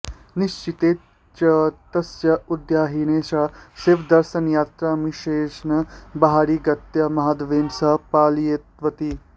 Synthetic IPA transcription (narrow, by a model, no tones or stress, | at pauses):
niʃt͡ʃit̪eː | t͡ʃɐt̪ɐsjɐud̪jaːɦineːʃaːseːʋd̪ɐɾʃɐnjaːt̪ɾamiʃeːʃnɐbɐɦaːɾiɡɐt̪jɐmɐɦaːd̪ʋeːnsɐɦpaːljet̪̚ʋɐt̪i